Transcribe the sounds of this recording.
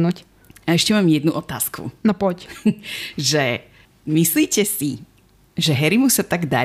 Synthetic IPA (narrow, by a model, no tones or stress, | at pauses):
nuc | aɛʃcɛmaːmjɛd̪nuʔɔt̪a̰ːskʰṵnapɔc | ʒɛ | misliːcɛsi | ʒɛɦɛɾimusat̪aɡd̪a̰